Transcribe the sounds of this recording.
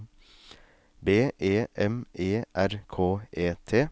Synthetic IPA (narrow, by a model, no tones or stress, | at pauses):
beːʔeːʔɛmʔeːʔæɾkʰoːʔeːt̪ʰeː